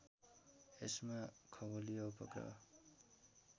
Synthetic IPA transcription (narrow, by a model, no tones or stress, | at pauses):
esmakʰʌbolijoupʌ̰krʌ̰